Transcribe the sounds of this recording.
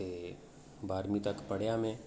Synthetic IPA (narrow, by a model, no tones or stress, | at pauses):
e | baːɾmit̪ɐkpɐɽ̤jamẽ